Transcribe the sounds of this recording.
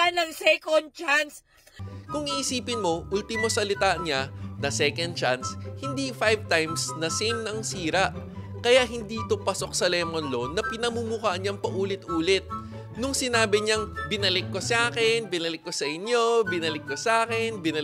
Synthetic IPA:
anɐŋsɛkond̪̚t͡ʃans | kʊŋiʔɪsiːpɪnmo̞ʔult̪ɪmosɐlɪt̪aɲanɐsɛkond̪̚t͡ʃanshɪnd̪ifajvt̪ajmsnɐsejmnɐŋsiːɾɐʔ | kɐjaʔɦɪnd̪it̪ʊpɐso̞k̚sɐlɛmonlo̞nːɐpɪnɐmumukaʔnɲaŋpɐʔuːlɪt̪ʔuːlɪt̪̚ | nʊŋsɪnaːbɪɲɐŋbɪnɐlɪkːo̞saːkɛnbɪnɐlɪkːo̞sɐʔɪnjo̞bɪnɐlɪkːosʔaːkɛnbɪnɐ

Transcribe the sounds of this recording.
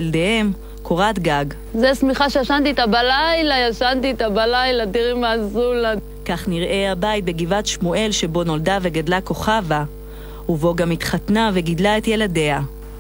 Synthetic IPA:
ldehe̞m | kʰoʁat̪ɡaɡ | zesmiχaʃejaʃant̪iet̪abalajlajaʃant̪iet̪abalajladiʁimazula | kaχniʁʔe̞abajt̚be̞ɡivatʃmue̞lʃe̞bo̞no̞ldave̞ɡadlako̞χava | hubo̞ɡamitχatnave̞ɡidlae̞t̪je̞lade̞ha

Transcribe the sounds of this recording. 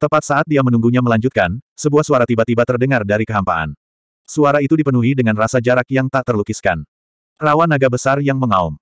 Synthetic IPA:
t̪əmpat̪̚saʔat̪̚diamənuŋɡuɲaməlaɲd͡ʒut̪̚kansəbuahsuaɾat̪ibat̪ibat̪ərdəŋardaɾikəɦampaʔa̰n | suaɾait̪udipənuɦidəŋanrasad͡ʒaɾakjaŋt̪aʔt̪ərlukɪskan | rawanaɡabəsarjaŋməŋaum

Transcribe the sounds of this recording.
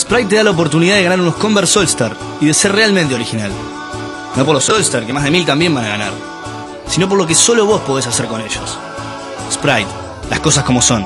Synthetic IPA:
spɾajt̪̚t̪ːeðalaop̬o̞ɾt̪̬uniðað̞e̞ɣanaɾuno̞skombeɾsolst̪aɾ | iðe̞seɾrealmẽnt̪eo̞ɾixinal | no̞p̬o̞ɾlosolst̪aɾkemazðe̞milt̪ambje̞mbanaɣa̰na̰ɾ | sino̞p̬o̞ɾlo̞k̬e̞so̞lo̞β̞o̞spo̞ðes̬aseɾkoneʃos | spɾajt̪ | lasko̞s̬asko̞mo̞so̞n

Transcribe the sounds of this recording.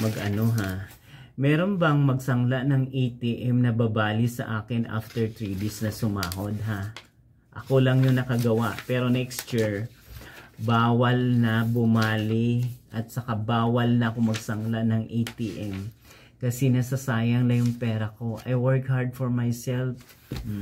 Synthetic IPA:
mɐɡʔɐno̞ɦa | mɛːɾo̞nbɐŋmɐɡsɐŋlaʔnɐŋʔejt̪iːʔɛmnɐbabaːlisɐ̰ʔaːkɪnʔa̰ft̪ɛɹt̪ɾiːd̪isnɐsʊmaːɦo̞d̪̚ɦa | ʔɐko̞lɐŋjoŋnɐkɐɡɐwaʔpɛːɾonɛkst̪t͡ʃiɹ | baːwɐlnɐbʊmaːlɪʔɐt̪̚sɐkabaːwɐlnɐʔɐko̞mɐɡsɐŋlanɐŋʔejt̪iʔɛm | kɐsɛnɐsɐsaːjɐŋlɐjʊŋpɛːɾɐko̞ʔɐ̰jwɛɹkhaɹd̪̚foɹmajsɛlf

